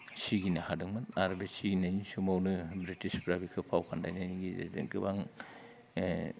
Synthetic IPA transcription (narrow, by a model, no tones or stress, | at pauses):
siɡinahadɯŋmɯnaɾbesiɡinajnisumawnɯbɾitispɾabikʰɯpʰawpʰandajnajniɡḭɡɯbaŋ